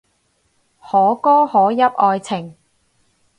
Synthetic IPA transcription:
hɔː˨˥kɔː˥hɔː˨˥jɐ˥p̚ʔɔː˧jt͡sʰɪ˨˩ŋ

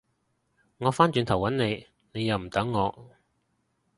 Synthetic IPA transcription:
ŋɔː˨˧faː˥nt͡ʃyː˧nt̪ʰɐ˨˩wɐ˨˥nne˨˧j | ne˨˧jɐ˨˧wm̩˨˩t̪ɐ˨˥ŋːɔː˨˧

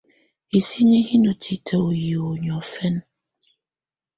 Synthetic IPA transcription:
e˨si˦ɲe˦ɦi˦nu˨tʰi˨tʰa˨o˨ji˨o˨ɲɔ˨fɛ˦n˦

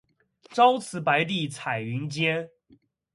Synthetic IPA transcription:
ʈ͡ʂɑ˦ʊt͡sʰɹ̩˧˥pa˧˥ɪt̪̬i˥˩t͡sʰa˨˩ɪy˨˧˥nt͡ɕjɛ˥˦n

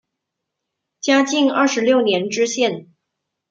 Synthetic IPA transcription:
t͡ɕja˥t͡ɕi˥˧ŋɐ̰˥˩ʂɻ̩˧˥ljo˥˩ʊnjɛ˧˥nʈ͡ʂɻ̩˥ɕjɛ˥˩n

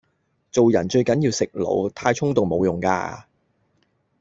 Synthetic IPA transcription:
t͡so˨wjɐ̰˨˩nt͡ʃɵ˧ɥkɐ˨˥njiː˧wsɪ˨k̚lo̰˨˧wt̪ʰaː˧jt͡ʃʰʊ˥ŋt̪ʊ˨ŋmo˨˧wjʊ˨˩ŋka̰ː˧

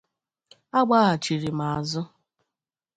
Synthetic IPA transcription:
a˦ɡ͡ba˦ɦa˨t͡ʃi˨ɾi˨ma˨a˨zʊ˦

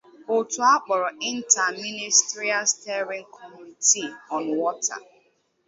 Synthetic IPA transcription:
o˨tu˨a˦k͡pɔ˨ɾɔ˨i˦n̩˦ta˨mi˦ni˦sti˦ɾi˦a˦ste˦ɾi˦ŋ̩˦kʰɔ˦mu˦ni˨ti˦ɔ˨n˨wɔ˦ta̰˨

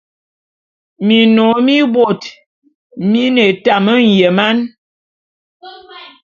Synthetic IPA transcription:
mi˨nɔ˨˦mi˦bwo˨t | mi˦ne˨ta˨mə˦n̩˨jɛ˨ma˦n

